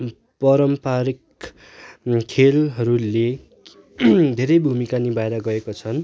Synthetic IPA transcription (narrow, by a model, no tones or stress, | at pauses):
pʌɾʌmpaɾik | kʰelɦʌɾule | d̪ʱeɾʌjbʱumikanibaeɾaɡʌekot͡sʰʌn